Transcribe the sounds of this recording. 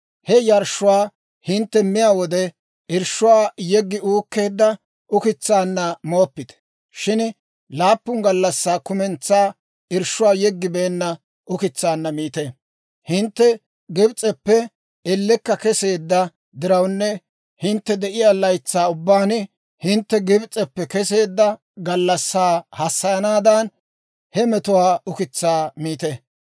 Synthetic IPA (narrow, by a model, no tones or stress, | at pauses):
hɛjɐɾʃʊwaː | hɪnt̪ːɛmɪjaːwɔd̪ɛ | ʔɪɾʃʊwaːjɛɡːɪuːkːe̞ːd̪ːɐ | ʔʊkɪt͡sːaːnːɐmo̞ːpːɪt̪ | ʃɪn | laːpːʊŋɡɐlːɐsːaːkʊmɛnt͡sːaː | ɪɾʃʊwaːjɛɡːɪbeːnːɐ | ʔʊkɪt͡sːaːnːɐmiːt̪e | hɪnt̪ːɛ | ɡɪbt͡sʼːɛpːɛ | ɛlːɛkːɐkɛse̞ːd̪ːɐ | d̪ɪɾɐwnːɛ | hɪnt̪ːɛd̪ɛʔɪjalɐjt͡sːaːʊbːaːn | hɪnt̪ːɛɡɪbt͡sʼːɛpːɛkɛse̞ːd̪ːɐ | ɡɐlːɐsːaːhɐsːɐjɐnaːd̪ɐn | hɛmɛt̪ʊwaːʊkɪt͡sːaːmiːt̪e